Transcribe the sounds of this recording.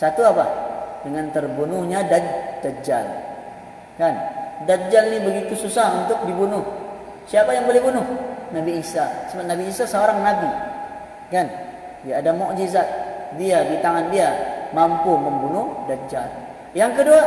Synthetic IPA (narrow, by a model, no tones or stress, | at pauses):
sat̪uapadəŋant̪ərbunʊhɲadadad͡ʒa̰l | kandad͡ʒalnibəɡit̪ususaɦunt̪ʊk̚dibunʊh | siapajaŋbolɛhbunʊhnabiːsasəbap̚nabiːsasəoɾaŋnabi | kan | iaːdamɔʔd͡ʒizat̪̚diadit̪aŋandiamampuməmbunʊhdad͡ʒal | jaŋkədua